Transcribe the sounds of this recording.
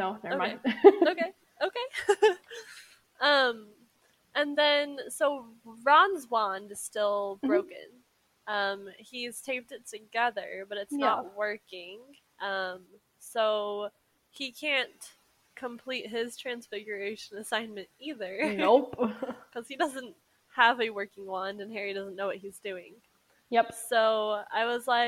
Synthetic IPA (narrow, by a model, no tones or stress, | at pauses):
noʊðə˞oʊeɪoʊkeɪ | oʊkʰeɪ | ʌ̃m | ʔɨ̃nðɨ̃nsoʊɹɑ̃nzwɑ̃ndɨz̥stɪlˠbɹoʊkɨ̰̃n | ʔʌ̃miz̥tʰẽɪ̃p̚tɨd̚tʰɨɡɛðə̰˞bʌɾɨtsnət̚wɜ˞kɪ̃ŋ | ʔʌ̃m | soʊ | ikʰæ̃n | kʰə̃mpʰl̥it̚ɦɪz̥tʰɹ̥æ̃nsfɪɡjə˞eɪʃɨ̃nɨsãɪ̃nmɨ̃ntiðə˞opkʰʌz̥idʌzɨ̃nt̚ | həvɨwɜ˞kɪ̃ŋwɑ̃ndɨ̃nɦɛɹidʌzn̩oʊwʌt̚hizdʉɪ̰̃ŋ | jɛpsoʊa̰ɪwʌzlaɪ